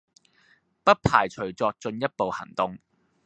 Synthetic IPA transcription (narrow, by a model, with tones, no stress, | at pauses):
pɐ˥t̚pʰa̰ː˨˩jt͡ʃʰɵ˨˩ɥt͡sɔː˧k̚t͡sɵ˧njɐ˥t̚po˨whɐ̰˨˩ŋt̪ʊ˧ŋ